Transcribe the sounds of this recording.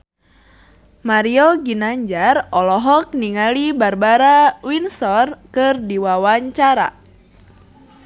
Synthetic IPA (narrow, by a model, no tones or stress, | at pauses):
maɾioɡinaɲd͡ʒarɔlɔɦɔk̚niŋalibarbaɾawinsɔrkɨrdiwawaɲt͡ʃaɾa̰